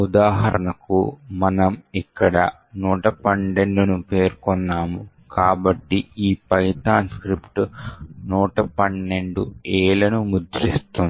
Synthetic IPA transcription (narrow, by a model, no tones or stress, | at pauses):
ud̪aːɦɐ̰ɾɐ̰ɳɐkumɐnɐmikːɐɽɐ | nuːʈɐpɐnɖe̞ɳɖunupe̞ːɾkonːaːmu | kaːbɐʈːiiːpɐjt̪aːnskɾipʈunuːʈɐpɐnːe̞ɳɖueːlɐnumud̪ɾist̪un